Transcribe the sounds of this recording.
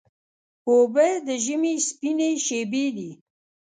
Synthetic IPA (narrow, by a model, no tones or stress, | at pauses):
kobed̪əʒəmespineʃebid̪i